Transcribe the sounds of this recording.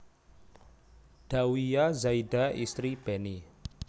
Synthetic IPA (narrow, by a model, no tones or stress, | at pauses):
d̥a̤wijazaidaist̪ɾib̥ɛni